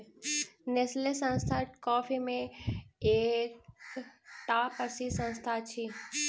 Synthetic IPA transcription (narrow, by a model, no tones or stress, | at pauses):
neslesə̃nst̪ʰakɔːfimẽeːk | ʈaːpəɾsisə̃nst̪ʰat͡ʃʰi